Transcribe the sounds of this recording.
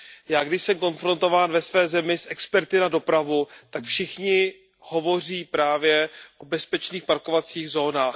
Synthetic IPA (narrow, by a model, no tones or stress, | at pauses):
jaːɡdɪʃsɛmko̞nfɾo̞nt̪o̞vaːnvɛsvɛːzɛmɪsʔɛkspɛɾt̪ɪnado̞pɾavut̪akfʃɪxɲɪ | ho̞vo̞r̝iːpɾaːvjɛʔo̞bɛspɛt͡ʃniːxpaɾkovat͡siːɣzo̞ːnaːx